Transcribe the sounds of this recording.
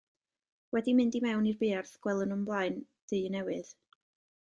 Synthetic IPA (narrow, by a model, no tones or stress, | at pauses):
wɛdimɪndimɛwnirbɪːrθɡ̥wɛlˠənəmblˠaɨn | d̥ɨɨnɛwɨð̥